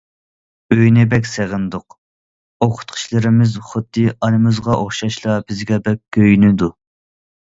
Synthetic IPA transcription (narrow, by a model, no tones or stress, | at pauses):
øjnɪbɛkʲseʁɪnd̪ʊq | oqʰʊ̥t̪̚qʰʊ̥ʃlˠɨɾɪmɪzχʊd̪ːɨɑnɨmɨzʁɑʔoχʃɑʃlˠɑbɪzɡʲɛbɛkʲkʲʰːøjnɪd̪u